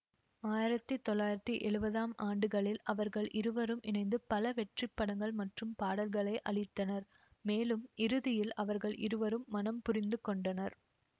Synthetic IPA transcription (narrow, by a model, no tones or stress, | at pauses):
aːjɪɾɐt̪ːɯt̪ːɔlːaːjɪɾɐt̪ːiʔɛɭɯbɐðaːmaːɳɖɯɣɐɭɪlɐʋɐɾɣɐɭʔɪɾɯʋɐɾɯmʔɪnɐɪnd̪ɯpɐlɐʋɛʈrɪpːɐɽɐŋɡɐɭmɐʈrɯmpaːɽɐlɣɐɭɐɪʔɐɭɪt̪ːɐnɐɾ | meːlɯmɪɾɯðɪjɪlɐʋɐɾɣɐɭʔɪ̰ɾɯʋɐɾɯmːɐnɐmpʊrɪnd̪ɯkɔɳɖɐnɐɾ